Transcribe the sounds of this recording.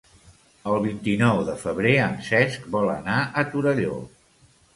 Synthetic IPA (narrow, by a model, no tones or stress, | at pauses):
əlˠβint̪inɔwðəfəβ̞ɾeənsɛsk̚bɔlə̰naʔət̪uɾəʎo̰